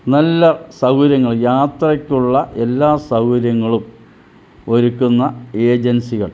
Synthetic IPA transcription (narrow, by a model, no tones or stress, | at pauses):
nɐlːɐsɐwɾɐŋːɐɭjaːt̪rɐkʲːuɭːɐʔe̞lːaːsɐwɾjɐŋːɐɭum | oɾukːunːɐe̞ːd͡ʑɐnsiɣɐɭ